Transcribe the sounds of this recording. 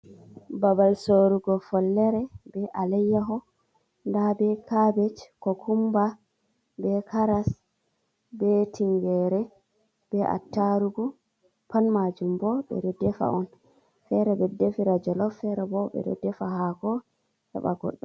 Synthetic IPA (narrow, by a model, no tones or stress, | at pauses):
babalsoɾuɡɔfɔlːɛɾɛbɛʔalɛjːaɦɔ | ndabɛkʰabɛt͡ʃkɔkʰumba | bɛkʰaɾas | bɛtʰiŋɡɛɾɛ | b̥ɛʔa̰tːaɾuɡu | panmad͡ʒumbɔbɛ̰ɾɛdːɛfa̰ɔn | fɛɾɛbɛdɛfiɾad͡ʒɔlɔfɛɾɛbɔbɛ̰ɾɛ̰dːɛfaɦakɔ | hɛ̰ɓa̰ɡɔ̰ɗːɔm